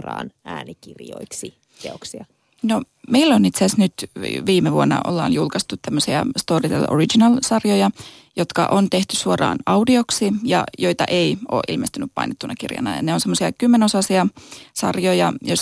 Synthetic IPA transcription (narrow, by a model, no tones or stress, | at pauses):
rɑ̰ːnæːnikirjo̰iksi | t̪eoksiɑ | no | meilːonit̪seæsnyt̪ʋiːmeʋuonːɑ̰ʔo̞̰lːɑ̰ːnjulkɑst̪utt̪æmːøsiɑ̰st̪oːrit̪ḛlʔorid͡ʒinɑlsɑrjojɑ | jot̪kɑʔont̪e̞ht̪ysuorɑ̰ːnɑudioksijɑ̰joit̪ɑʔeio̰ːʔilmest̪ynyppɑ̰inet̪ːunɑkirjɑ̰nɑ̰jɑ̰neonsemːosiɑkymːenosɑsiɑsɑ̰rjojɑjos